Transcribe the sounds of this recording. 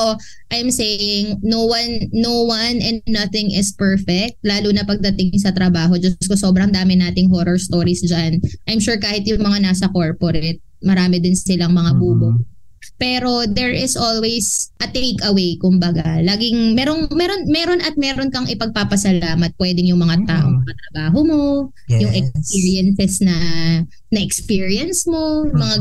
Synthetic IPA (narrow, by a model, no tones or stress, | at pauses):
ʔɐjmseːjɪŋnowɐnːowɐnɛ̃nnɐθɪŋʔɪspɛɹfɛk̚t̪̚laːlunɐpɐɡ̚d̪ɐt̪ɪŋsɐt̪ɾɐbaːɦo̞d͡ʒɐskoso̞ːbɾɐŋd̪aːmɪnaːt̪ɪŋɦoːɾoɹst̪oːɾisd͡ʒanʔɐjmʃuːɹkaːhɪt̪jʊŋmɐŋanaːsɐkoɹpoɾɛt̪̚mɐɾaːmɛd̪ɪnsɪlɐŋmɐŋabuːbo | pɛːɾo̞d̪ɛɹʔɪsʔolwɛjsʔɐt̪ejkɐwejkʊmbɐɡalaːɡɪŋmɛːɾoŋmɛɾo̞nmɛːɾonʔɐt̪̚mɛːɾonkɐŋʔɪpɐɡ̚papɐsɐlaːmɐt̪̚pwɛːd̪ɪŋjʊŋmɐŋat̪aːʔo̞ŋmɐŋɐt̪ɾɐbaːɦo̞mo̞ | jʊŋʔɛksspiːɹɪɛnsɛsnɐ | nɐʔɛkspiɹiɐnsmo̞mɐŋa